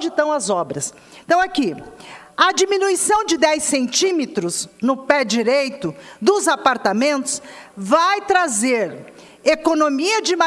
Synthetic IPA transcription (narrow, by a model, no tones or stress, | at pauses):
d͡ʒɪt̪ɐ̃w̃ɐzɔbɾɐs | ẽt̪ɐ̃w̃aki | ɐd͡ʒiminuisɐ̃w̃d͡ʒɪd̪ɛjsẽnt͡ʃĩmet̪ɾʊznʊpɛd͡ʒiɾejt̪ʊd̪ʊzapaɾt̪amẽnt̪ʊ̥svajt̪ɾazeɾ | ekonomiɐd͡ʒɪma